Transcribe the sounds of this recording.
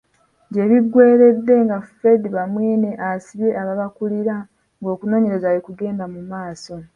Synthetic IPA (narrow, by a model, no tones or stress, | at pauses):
ɲɟe̞βiɡwe̞ːɾe̞dːe̞ŋɡafe̞diβamweːne̞ʔasiβje̞ʔaβaβakuliɾa | ŋɡo̞ːkuno̞ːɲe̞ɾe̞zajekuɡe̞ːndamumaːso̞